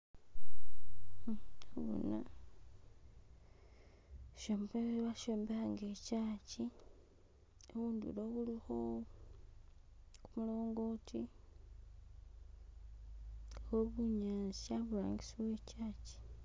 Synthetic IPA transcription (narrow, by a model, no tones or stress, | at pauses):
aβo̰na | ʃombeβaʃoːmbaŋɡecaːci | oβundṵloβulixo | kumulo̞ːŋɡo̞ːtʰi | ɣoβuɲaːsiaβula̰ːɲɡisiβweːcaːci̥